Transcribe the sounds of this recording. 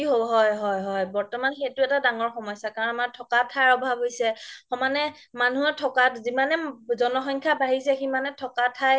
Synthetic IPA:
iɦoɦɔjɦɔjɦɔjbɔɹtɔmanxetʊɛtadaŋɔɹxɔmɔjsakaɹɔnamaɹtʰɔkatʰajɔbʱabɦojsɛxɔmanɛ | manuɛtʰɔkatzimanɛzɔnɔxɔɲkʰabaɦisɛximanɛtʰɔkatʰa

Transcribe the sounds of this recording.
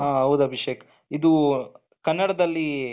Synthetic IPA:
ɦãːɦɐʋud̪ɐbʱɐʃeːkɐ | id̪u | kɐnːɐɽɐd̪ɐlːi

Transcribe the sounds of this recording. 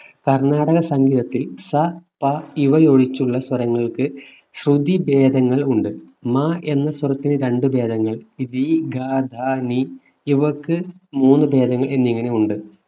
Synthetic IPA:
kɐrɳaːɽɐɣɐsɐŋɡiːðɐt̪ːilsɐpɐiʋɐjo̞ːɽit͡ɕːuɭːɐswɐɾɐŋːɐɭkɨ | ɕrud̪ʱibe̞ːd̪ʱɐŋːɐɭuɳɖɨ | maʔe̞nːɐswɐɾɐt̪ːinɨɾe̞ɳɖɨbe̞ːd̪ʱɐŋːɐɭid̪iɡʱaːd̪ʱaːni | iʋɐkːɨmuːnːɨbe̞ːd̪ʱɐŋːɐɭe̞nːiŋːɐne̞uɳɖɨ

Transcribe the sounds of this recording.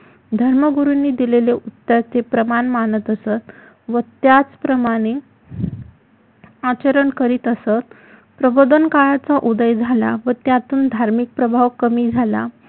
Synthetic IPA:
d̪ʱəɾməɡuɾunːiːd̪ileleʔut̪ːjat͡sepɾəmanmanət̪əsət̪ | ʋət̪jat͡spɾəmaɽ̃e | at͡ɕəɾəɳkəɾiːt̪əsət̪ | pɾəbod̪ənkaɭat͡saʔud̪əjd͡zʱala̰ʋət̪jat̪uːnd̪ʱaɾmik̚pɾəbʱaʋkəmiːd͡zʱala̰

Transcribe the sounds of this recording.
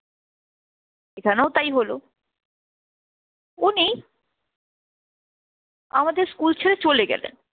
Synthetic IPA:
ekʰaneot̪ajɦolo | uni | a̰mad̪eɾskult͡ɕʰeɾet͡ɕoleɡɛ̰lḛn

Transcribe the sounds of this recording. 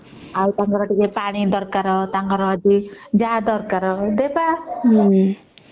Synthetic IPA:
awt̪aŋkaɾaʈikepaɽ̃id̪ʌɾkaɾʌt̪aŋkaɾɔːd͡ʒid͡ʒad̪ʌɾkaɾʌd̪eba

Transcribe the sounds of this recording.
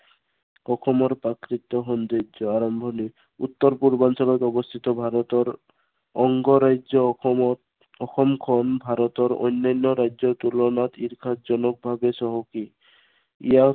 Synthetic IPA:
ɔxɔmɔɾpɾakɾit̪ːɔɦɔnd̪ed͡ʒɔaɾɔmbʱɔni | ut̪ːɔɾpuɾbansɔlɔt̪ɔbɔst̪ʰit̪ɔbʱaɾɔt̪ɔɾ | ɔŋɡɔɾaɔ | ɔxɔmkʰɔnbʱaɾɔt̪ɔɾɔ̰jnːajnːɔɾajd͡ʒɔt̪ulɔnat̪iɾkʰat̪d͡ʒɔnɔk̚bʱabesɔɦɔki | ḭja

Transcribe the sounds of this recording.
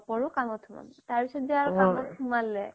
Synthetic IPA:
pɔɹukamɔtʰuma̰mtaɹpisɔt̚ziaɹkamɔtʰumalːɛ

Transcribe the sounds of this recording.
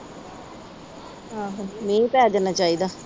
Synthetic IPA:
ɦãːɦãmẽːpɛːd͡ʒ̪aːnaːt͡ʃaːiːd̪aː

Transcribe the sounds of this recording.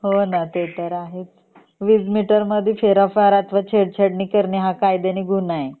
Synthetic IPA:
ɦonat̪et̪əɾaɦet͡s | ʋid͡zmiʈəɾməd̪ʱjifeɾafaɾat̪ʋat͡ɕʰeɽt͡ɕʰəɽɳiːkəɾniɦakajd̪eniːɡʱunaje

